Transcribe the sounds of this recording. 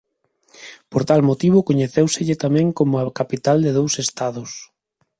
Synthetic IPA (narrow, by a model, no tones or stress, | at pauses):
poɾt̪almot̪iβʊkoɲeθewsɪʎɪt̪amɛ̃ŋkomʊakapit̪ald̪ɪðowsest̪aðʊs